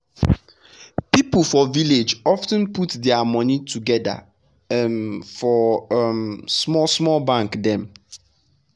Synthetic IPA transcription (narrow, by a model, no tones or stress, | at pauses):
pipl̩fɔviled͡ʒɔftə̃nputdɛamɔ̃nitʰuɡɛda̰ | fɔmsmɔsmɔlbãŋkdɛ̃m